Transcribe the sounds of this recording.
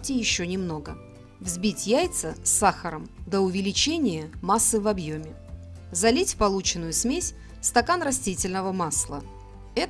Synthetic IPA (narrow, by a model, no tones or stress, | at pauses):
tʲɪjɪɕːonʲɪmno̞ɡə | vzʲbʲitʲjæjt̪səsːaxəɾəmd̪əʊvʲɪlʲɪt͡ɕenʲɪjəmasːɨvɐbjomʲɪ | zɐlʲitʲpɐlˠut͡ɕɪnːʊjʊsmʲesʲ | st̪ɐkanrɐsʲtʲitʲɪlʲnəvəmaslˠə | ɛ